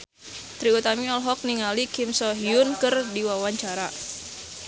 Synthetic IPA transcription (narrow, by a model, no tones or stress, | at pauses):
t̪ɾiut̪amiɔlɦɔk̚niŋalikɪmsɔɦiʊnkɨrdiwawaɲt͡ʃaɾa